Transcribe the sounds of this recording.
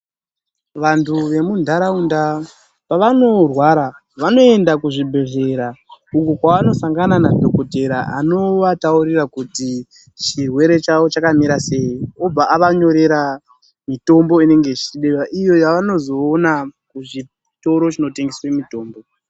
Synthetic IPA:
ʋantʰuʋe̞mundʱaɾaunda | paʋano̞rwaɾa | ʋano̞e̞ndakuʐibʱe̞ʐe̞ɾaukukwaʋano̞saŋɡananadʱokote̞ɾaa̰no̞ʋatauɾirakuti | t͡ʃirwe̞ɾe̞t͡ʃawo̞t͡ʃakamiɾase̞io̞b͡vaʔaʋaɲo̞ɾe̞ɾa | mito̞mbo̞ine̞ŋɡe̞t͡ʃiɗewaʔijo̞jaʋano̞zo̞ːnakuʐi | to̞ɾo̞t͡ʃino̞te̞ŋɡeswemito̞ːmbo

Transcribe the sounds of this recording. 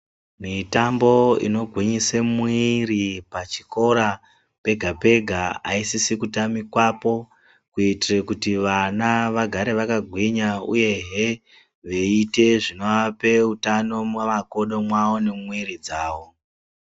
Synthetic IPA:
mitambo̞ḭno̞ɡʱwiɲisemwiripat͡ʃi̥ko̞ɾa | pe̞ɡʱape̞ɡʱaa̰isisikutamikwapo̞ | kuitirekutiʋanaʋaɡʱaɾe̞ʋakaɡʱwiɲauje̞ɦe | ʋe̞ite̞ʐino̞ape̞utano̞mamako̞ɗo̞mwawo̞ne̞mwiɾid͡zaːʋo̞

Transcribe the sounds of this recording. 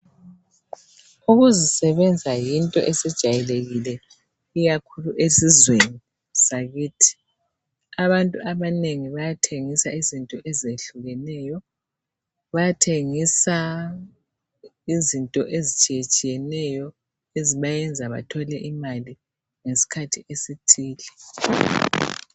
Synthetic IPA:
uɣuzisɛβɛnd͡zʱajintʼɔ̰ʔesid̥ʒ̥ʱajɛleɣilɛ | iɣakʰuluʔesizweni | saɣiːtʰi̥ | aβantʼuʔaβaneŋiβajatʰeŋisaizintʼɔʔɛzeɬuɣɛnɛjɔ | βajatʰeŋisa | izintʼɔʔezit͡ʃʼijet͡ʃʼijɛnɛjɔ | eziβajɛnd͡zʱaβa̰tʰɔlɛʔimali | ŋesi̥kʰatʰiʔesitʰiːlɛ

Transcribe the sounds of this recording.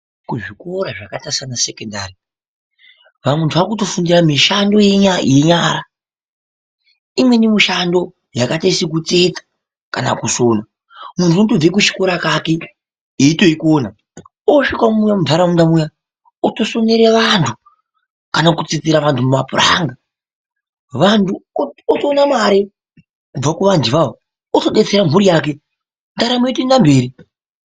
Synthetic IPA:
kuʐikoɾaʐakatasanasekondari | ʋamwentʰuʋakuto̞fundiramiʃando̞jeaje̞ɲaɾa | imwe̞nimiʃando̞ | jakataisik̬ut͡sed͡zḁ | kana̰kusona | munzuutob͡vek̬ut͡ʃi̥koɾakake | iito̞ikoːna | oʃikwamujamundʱaɾamundamuja | oto̞so̞neɾeʋantʰu | kanakut͡sit͡siɾaʋantʰumumapura̰ŋɡa | ʋantʰuotonamaɾe | kub͡vakuʋandiʋao | otoɗe̞t͡seɾam̤uɾijaːk̬e̞ | ndaɾamujetinambe̞ːɾi

